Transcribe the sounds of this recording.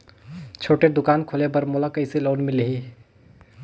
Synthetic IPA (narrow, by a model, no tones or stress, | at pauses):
t͡ʃʰoːʈed̪ʊkaːnkʰolebəɾmolakəɪseloːnmɪleɦi